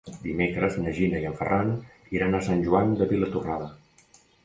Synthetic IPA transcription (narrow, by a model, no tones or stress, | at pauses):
d̪imekɾəznəʒinəiəɱfə̰rʔaniɾanasanʲʒuand̪əβilət̪uraðə